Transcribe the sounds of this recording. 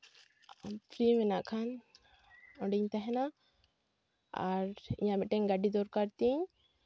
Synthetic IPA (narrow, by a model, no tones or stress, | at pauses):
pʰɾimɛnaʔkʰan | ɔɖiɲt̪aɦɛna | a̰ɾḭɲãbɛʈɛɲɡaɖid̪ɔɾkaɾt̪iɲ